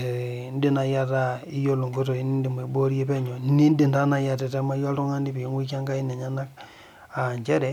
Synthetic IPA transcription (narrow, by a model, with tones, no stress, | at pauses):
n˦di˦na˨ja˦ta˦ | i˦jo˦lo˨ŋɡo˦t̬o˨i˨˦ni˦ndi˨me˨bo˦ɾje˦pɛ˦ɲɔ˨ni˦ndi˦˨nda˦na˦ja˨tɛ˨ta˦ma˦jɔ˦ltu˦ŋa˦ni˦pi˨˦ŋwi˦k̬a˦ŋɡa˦i˦nɛ˨ɲa˦na˦k | a˨ɲt͡ʃɛ˦ɾɛ˦